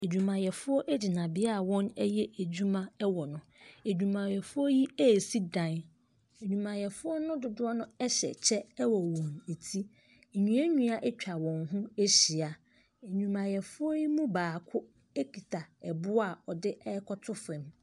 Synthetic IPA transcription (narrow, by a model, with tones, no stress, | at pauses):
e˨d͡ʑᶣũ˨mã˨jɛ˨fʊ˦ɔ˦ʔɛ˦d͡ʑɪ˨nã˨bɪ˨a˦a˨wɔ̃˦nɛ˦jɛ˦e˨d͡ʑᶣu˦mã˦ɛ˦wɔ˨nʊ̃˨e˨d͡ʑᶣũ˨mã˨jɛ˨fʊ˦ɔ˦ji˦e˦˨si˦dã˨n | e˨ɲᶣũ˨mã˨jɛ˨fʊ˦ɔ˦nʊ̃˦dʊ˨dʊ˦a˦nʊ̃˦ɛ˦ɕɛ̰˨t͡ɕʰɛ˦wɔ˨wɔ̃˨ne˨tʰi˦˨ | ɲũ˨˦ɛ˦ɲũ˦a˨ʔɛ˦t͡ɕᶣa˨wɔ̃˨ŋɦũ˦e˦ɕi˨a˨ | e˨ɲᶣũ˨mã˨jɛ˨fʊ˦ɔ˦ji˦mũ˦baː˨kʰʊ˦ | e˦kʰi˨tʰa˨ɛ˨bʊ˦a˦˨ɔ˨dɪ˦ʔɛ˦kʰɔ˦tʰʊ˦fɾɛ̃˨m